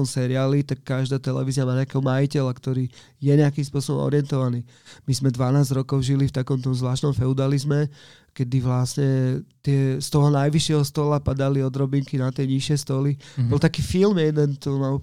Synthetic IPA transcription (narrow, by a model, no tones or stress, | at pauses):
ɔmsɛɾiaːlit̪akːaʒd̪aːt̪ɛlɛ̰ʋiːziamaːt̪akɛɦɔmajicɛlakt̪ɔɾiː | jɛɲɛakimspʊɔsɔbɔ̰mɔ̰ɾɪɛnt̪ɔʋaniː | mizmɛd̪ʋanaːzd͡ʑɾɔkɔʊʒilift̪akɔmt̪̬ɔmzʋlaːʃt̪nɔmfɛud̪alizmɛ | kɛd̪iʋlasɲɛt̪ɪɛst̪ɔɦɔnajʋiʃɪɛɦɔst̪ɔlapad̪aliɔd̪ɾɔbiŋkinat̪ɪɛɲiʃɪɛst̪ɔlibɔlt̪akiːfilmjɛd̪ɛnt̪ɔma